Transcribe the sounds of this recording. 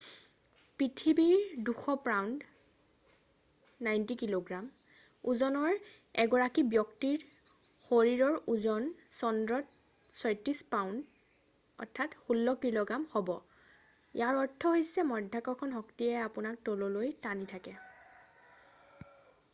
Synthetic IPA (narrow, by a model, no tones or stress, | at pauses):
pɹitʰibiɹduxɔpɹawnd | najntikiloɡɹam | uzɔnɔɹ | ɛɡɔɹakibjɔktiɹ | xoɹiɹɔɹuzɔnsɔndɹɔt̚ | sɔjtispawnd | ɔ̰ɹtʰːatxulːɔkiloɡamhobɔ | j̰aɹɔɹtʰːɔɦojsɛmɔdʱːakɔkʰɔnɦɔktiɛapʊnak̚tolɔlojtanitʰakɛ